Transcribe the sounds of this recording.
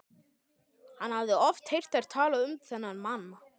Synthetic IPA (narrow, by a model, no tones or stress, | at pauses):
hanhavðɪɔft̪hejr̥t̪aɾ̥t̪ʰaːlaʏmθɛnːanmanːa